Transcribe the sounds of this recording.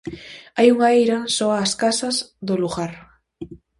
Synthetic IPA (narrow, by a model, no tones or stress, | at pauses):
ajuŋaejɾasɔaːskasazðoluɣaɾ